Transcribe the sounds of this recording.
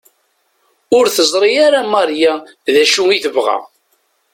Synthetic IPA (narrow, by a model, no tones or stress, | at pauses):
ʊɾθəzˤɾˤijaɾamɑɾja | ðæʃuiθəvʁæ̰